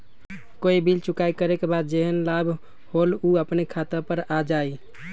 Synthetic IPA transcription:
koibʱilt͡ʃukajkəɾekebad̪̚d͡ʒeɦənlabʱ | holuəpnekʰat̪əpəɾad͡ʒai

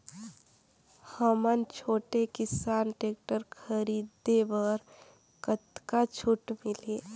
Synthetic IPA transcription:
həmənt͡ʃʰoːʈekɪsaːnʈeːk̚ʈəɾkʰəɾiːd̪ebəɾ | kət̪kat͡ʃʰʊʈmɪle

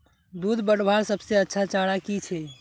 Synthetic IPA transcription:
d̪ud̪bəɽbʱaɾsəbseətːʃʰat͡ʃaɽakit͡ʃʰɛ

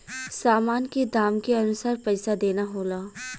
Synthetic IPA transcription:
saːmaːnked̪aːmkeɐnʊsaːɾpɛɪsad̪eːnaɦoːlaː

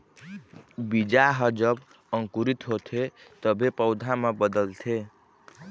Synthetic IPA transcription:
bid͡ʒaɦəd͡ʒəb | əŋkuɾit̪ɦot̪ʰet̪əbʱepəʊd̪ʱamebəd̪əlt̪ʰe

